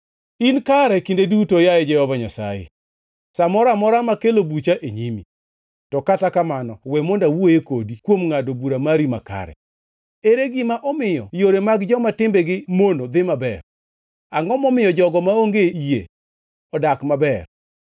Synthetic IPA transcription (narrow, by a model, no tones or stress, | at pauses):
inkaɾɛkindedutojajɛd͡ʒɛhɔvaɲasa̰jḛ | samɔɾamɔɾamakelobut͡ʃaʔeɲimi | tɔkatakamanɔwɛmondawojekodikwomŋadobuɾamaɾima̰ka̰ɾɛ̰ | eɾeɡɪmaʔɔmɪjɔjoɾemaɡd͡ʒɔmatɪmbɛɡɪmonod̪ɪmabɛ̰r | aŋɡɔmɔmɪjɔd͡ʒɔɡɔmaoŋɡeijḛ | ɔdakmabɛr